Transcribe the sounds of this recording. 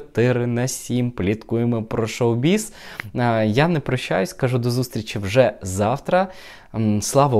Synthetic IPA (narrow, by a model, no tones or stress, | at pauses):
t̪ɪɾɪnɐsʲimplʲit̪kʊjemɔpɾɔʃɔwbʲis | janɛpɾɔʃːa̰jʊsʲkɐʒud̪ɔzust̪ɾʲit͡ʃʲiwʒɛzɑwt̪ɾɐ | slˠɑʋɐ